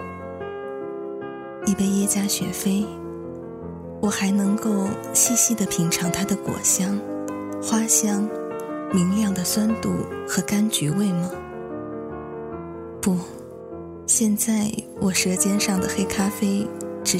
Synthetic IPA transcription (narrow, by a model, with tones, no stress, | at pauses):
i˥˩pe˥˧ɪjɛ˥t͡ɕja˥ɕɥɛ̰˧˥fe˥ɪ | wɔ˨˩xa˧˥ɪnɤ˧˥ŋko˥˩ʊ | ɕi˥˧ɕi˥˩d̪ə˨pʰi˧˥ŋʈ͡ʂʰɑ˧˥ŋt̪ʰa˥d̪ə˨kwɔ̰˨˩ɕjɑ˥ŋ | xwa˥ɕjɑ˥ŋli˧˥ŋljɑ˥˩ŋd̪ə˩swa˥nt̪u˥˩xɤ˧˥ka˥nt͡ɕy˧˥we˥˩ɪmɐ˩ | pu˥˩ | ɕjɛ˥˧nt͡sa˥˩ɪ | wʔɔ˨˩ʂɻ̩˧˥t͡ɕjɛ˥nʂɑ˥˩ŋd̪ə˩xe˥ɪkʰa˥fe˥ɪʈ͡ʂɻ̩˧˥